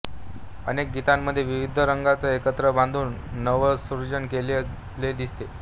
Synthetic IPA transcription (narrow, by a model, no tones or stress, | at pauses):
ənek̚ɡit̪amːəd̪ʱjeʋiʋid̪ʱəɾəŋɡat͡səekət̪ɾəbãnd̪ʱuːnː | əʋəsuɾd͡ʑənkele | led̪ist̪e